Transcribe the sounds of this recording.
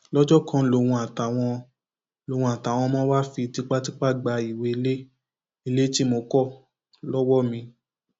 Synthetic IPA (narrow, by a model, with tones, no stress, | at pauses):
lɔ˦d͡ʒɔ˦kã˦lo˧˨wũ˧a˨ta˨w̃ɔ̃˧ | lo˨˧wũ˧˨a˨ta˨w̃ɔ̃˧mɔ̃˦ba˦fi˧ti˦k͡pa˦ti˦k͡pa˦˨ɡ͡ba˧i˨we˧i˧le˦ | i˧le˦ti˦mo˧kɔ˦˨ | lɔ˦wɔ˦mĩ˧